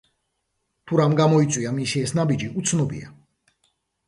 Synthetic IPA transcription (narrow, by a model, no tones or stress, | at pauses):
t̪ʰuɾamɡamɔit̪sʼwiamisiɛsnabid͡ʒiut̪sʰnɔbḭa̰